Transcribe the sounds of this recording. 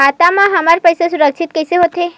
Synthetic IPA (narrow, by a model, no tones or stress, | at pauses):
at̪amãɦəmaɾpəjsesuɾəkʃʰit̪̚kejseɦot̪e